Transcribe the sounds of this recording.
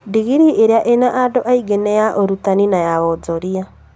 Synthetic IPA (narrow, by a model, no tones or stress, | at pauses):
diɣiɾiʔeɾeaʔenaʔadoʔaiɡenɛjaʔoɾutaninajaβɔd͡ʒɔɾia